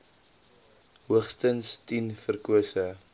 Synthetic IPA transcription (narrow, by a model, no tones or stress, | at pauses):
ɦuəχstənstinfərkuəsə